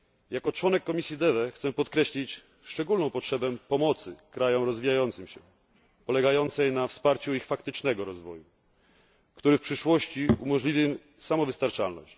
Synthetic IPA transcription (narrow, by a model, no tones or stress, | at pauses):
jakɔt͡ʂwɔnɛkːɔmʲisʲjid̪ɛvɛxt̪sɛpɔt̪kɾɛɕlʲit͡ɕ | ʂt͡ʂɛɡulnɔ̃w̃pɔtʂɛbɛpɔmɔt̪sɘkɾajɔmɾɔzvʲijajɔnt̪sɘmɕɛ̰ | pɔlɛɡajɔnt̪sɛjnafspaɾt͡ɕuixfakt̪ɘt͡ʂnɛɡɔɾɔzvɔju | kt̪uɾɘfpʂɘʂwɔɕt͡ɕiṵmɔʐlʲivʲiw | samɔvɘst̪aɾt͡ʂalnɔ̰ɕt͡ɕ